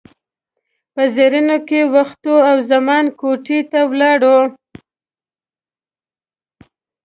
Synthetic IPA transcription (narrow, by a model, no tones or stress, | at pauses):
pəzeɾinokewaxt̪oawzamɑnkoʈit̪awlɑɽo